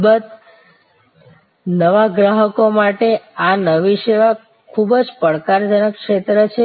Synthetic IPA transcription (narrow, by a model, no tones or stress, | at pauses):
bət̪ | nəʋaɡɾaɦəkomaʈeanəʋiʃeʋa | kʰubd͡ʒpəɽkaɾd͡ʒənəkʃet̪ɾət͡ʃʰe